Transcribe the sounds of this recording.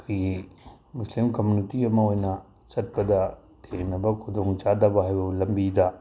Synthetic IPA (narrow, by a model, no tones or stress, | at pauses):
kʰojɡi | muslimkɐmjunitiɐmɐojnɐ | t͡ʃɐt̚bɐd̪ɐ | tʰeknɐbɐkʰod̪oŋt͡ʃad̪ɐbɐɦajɐlɐmbid̪ɐ